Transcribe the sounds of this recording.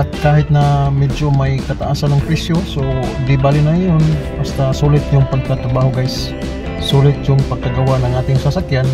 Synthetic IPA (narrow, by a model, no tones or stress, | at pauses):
ʔɐt̪̚kaːɦɪt̪̚nɐmɛd͡ʒomɐjkɐt̪ɐʔaːsanːɐŋpɾɪsjosod̪ɪbaːlɪnajonbast̪ɐsuːlɪt̪̚jʊŋpɐɡ̚t̪ɐt̪ɾɐbaːɦoɡajsː | uːlɪt̪̚jʊŋpɐɡ̚kɐɡɐwaʔnɐŋʔaːt̪ɪŋsɐsakjan